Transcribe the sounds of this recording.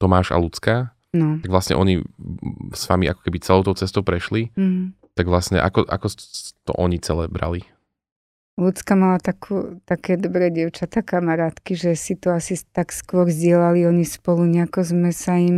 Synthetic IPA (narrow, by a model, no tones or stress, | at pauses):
t̪ɔmaːʃa̰lut͡ska | nɔt̪aɡʋlastɲɛ̰ʔɔɲi | sʋa̰miʔa̰kɔ̥kɛbit͡sɛloʊt̪ɔʊt͡sɛst̪ɔʊpɾɛʃliɦ̩ | t̪aɡʋlasɲɛ̰ʔa̰kɔʔa̰kɔst̪ɔ̰ʔɔɲit͡sɛlɛbɾa̰li | lut͡skamalat̪akʰuːt̪akɛːd̪ɔbɾɛːɟɪɛʊt͡ʃat̪akamaɾaːt̪kiʒɛsit̪ɔasit̪akskʊɔɾzɟɪɛlaliɔɲispɔluɲɛakɔzmɛsaim